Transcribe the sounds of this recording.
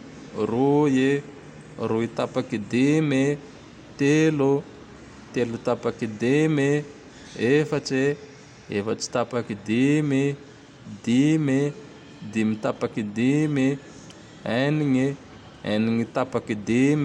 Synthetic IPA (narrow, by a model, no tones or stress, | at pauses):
ruje | ruit̪apakid̪ime | t̪elu | t̪elut̪apakid̪ime | efaʈ͡ʂe | efat͡ʃi̥t̪apakid̪ime | d̪ime | d̪imit̪apakid̪imi | eniŋi | ḛniŋit̪apakid̪im